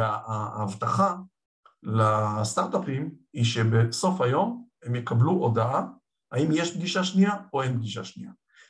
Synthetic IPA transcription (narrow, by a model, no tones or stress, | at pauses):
aaːvt̪aχa | last̪aʁt̪apimiʃe̞beso̞fajo̞me̞mjekabluʔod̪aa | aimjeʃb̚ɡiʃaʃniaoenb̚ɡiʃa̰ʃnia